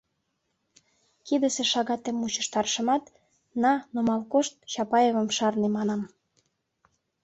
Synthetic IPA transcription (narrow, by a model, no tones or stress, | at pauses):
kid̪ə̆seʃɑɣɑt̪emːut͡ɕə̥̆ʃt̪ɑrʃə̆mɑt̪ | nɑnomɑlkoʃt̪̚t͡ɕɑpɑjevə̆mʃɑrnemɑnɑm